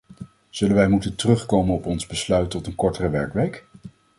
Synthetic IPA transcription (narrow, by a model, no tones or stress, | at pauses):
z̥ɵlənʋɛjmutəntərɵχkowmənɔpɔnzbəslœɥtːɔtənkɔɹtərəʋɛɹkʋejk